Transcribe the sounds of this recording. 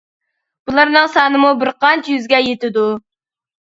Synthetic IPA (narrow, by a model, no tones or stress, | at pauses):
b̥ulˠɑɾnɨŋsɑːnɨmubɪɾqʰɑnt͡ʃjyzɡʲɛjet̪ɪd̪u